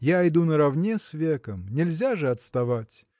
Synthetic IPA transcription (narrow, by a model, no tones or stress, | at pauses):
jajd̪unəɾɐvnʲesvʲekəmnʲɪlʲzʲaʐɨɐt̪st̪ɐvatʲ